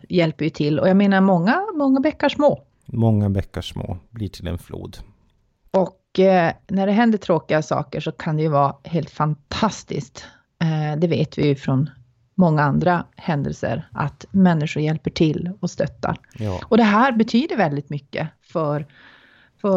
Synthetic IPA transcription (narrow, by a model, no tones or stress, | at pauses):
jɛlpəɾjɵt̪ʰɪlːɔ̰jaːɡmeːnaɾmɔŋːamɔŋːavɛkːaʂmoː | mɔŋːavɛkːaʂmo̰ːbliʈʰɪlɛ̰nflṵːd̪ | ɔk | næɖɛɦɛnd̪əʈʰɾoːkɪɡasɑ̰ːkəʂɔkʰand̪ɛjɵvɑːheːlt̪fant̪ʰast̪ɪ̰skt̪ | d̪ɛveːt̪vɪjfɾɔn | mɔŋːaand̪ɾahɛnd̪ə̰lsə̰ɾʔa̰t̪mɛnːɪʂʊɾjɛlpəʈʰɪlːɔst̪œt̪ːa̰ɾɔd̪ɛɦæːɾbɛt̪ʰyːd̪əɾvɛld̪ɪt̪mʏkːə̰fœɾ | fœ